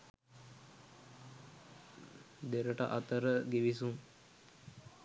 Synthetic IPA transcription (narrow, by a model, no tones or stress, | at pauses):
d̪eɾəʈə̰ʔɐt̪əɾəɡiʋisuŋ